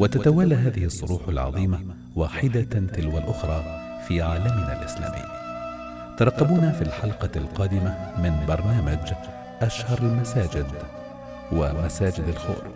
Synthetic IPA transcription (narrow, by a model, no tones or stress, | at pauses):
wat̪at̪awalːaɦaːðɪhɪsˤːʊɾuːħalʕɑ̰ðˤiːma | waːħɪd̪at̪ɪlwalʔʊxɾˤɑː | fiːʕaːlamna̰ːlʔɪsla̰ːmʔɪ̰ː | t̪ɑɾˤɑqːɑbuːnafilħɑlqɑlqɑːd̪ɪmamɪnbɑɾˤnaːmad͡ʒ | ʔaʃhɑɾˤalmasaːd͡ʒɪd̪ | wamasaːd͡ʒɪd̪alxʊ̰ːɾ